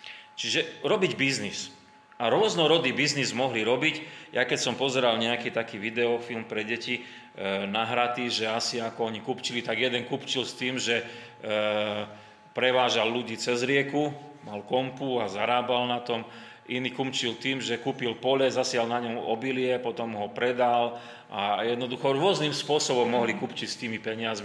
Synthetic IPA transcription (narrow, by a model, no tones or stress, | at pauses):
t͡ʃiʒɛɾɔbiɟbiznis | aɾʊɔznɔɾɔd̪iːbiznizmɔɦliɾɔbicjakɛcsɔmpɔzɛɾalɲɛakit̪akiːʋid̪ɛɔfilmpɾɛɟɛci | naɦɾat̪iʒɛasiakɔɔɲikupt͡ʃilit̪aɡjɛd̪ɛnkupt͡ʃilst̪iːmʒɛ | pɾɛʋaːʒalːuɟiːt͡sɛzɾɪɛkumalkɔmpuazaɾaːbalnat̪ɔm | inikumt͡ʃilt̪iːmʒɛkuːpilpɔʎɛzasɪalnaɲɔmɔbilɪɛpɔt̪ɔmɦɔpɾɛd̪al | ʔajɛd̪nɔd̪uxɔɾʊɔznimspʊɔsɔbɔmːɔɦlikuːpt͡ʃicst̪iːmipɛɲɪazmi